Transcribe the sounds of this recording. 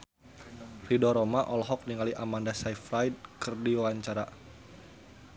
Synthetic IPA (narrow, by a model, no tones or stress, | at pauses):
ridɔɾɔmaʔɔlɦɔk̚niŋaliʔamandasaifɾajd̚kɨrdiwaɲt͡ʃaɾa